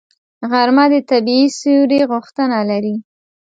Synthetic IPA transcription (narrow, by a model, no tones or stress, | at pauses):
ɣaɾmad̪ət̪abiisuɾeɣʊxt̪ənalaɾi